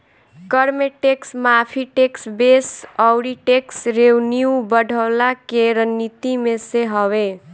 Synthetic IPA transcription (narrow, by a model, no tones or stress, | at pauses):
kəɾmeʈeksmapʰiʈeksbesʌwɽiʈeksɾewniubəɖʱəwlakeɾənːit̪imeseɦɔwe